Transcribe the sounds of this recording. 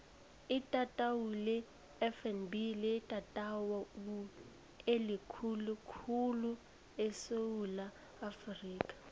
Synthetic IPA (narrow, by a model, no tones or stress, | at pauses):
ɪtʼatʼawulɛ | ɛfɛnbilɪtʼatʼawɔu | elikʰulukʰulu | esowulaː | friːkʼḁ